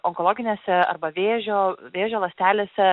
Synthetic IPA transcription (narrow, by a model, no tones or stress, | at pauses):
ɔŋkolˠoːɡʲɪnʲeːsʲɛɐ̰ɾbɐʋʲeːʒʲoːʋʲeːʒʲoːlˠɐsʲt̪ʲæːlʲeːsʲɛ